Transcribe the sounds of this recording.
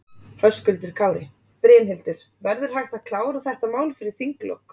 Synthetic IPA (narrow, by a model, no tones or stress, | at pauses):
hœskʏlt̪ʏɾ̥kʰaːwɾɪ | pɾɛːnɦɪlt̪ʏɾ̥ | vɛɾðʏɾ̥hajht̪aðkʰlaːwɾaθɛht̪amaːwlfɪɾɪɾ̥θiŋklɔ̰k